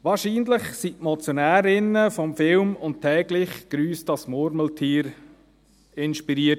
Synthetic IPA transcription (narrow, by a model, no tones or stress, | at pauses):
ʋɑːɾʃiːnlɪχsitmɔt͡sjonæːɾɪnəfɔmfɪlmʊntʰɛːɡlɪχɡ̥ɾyːsd̥ɑsmʊɾməltʰiːɾ | ɪnʃpiɾiːət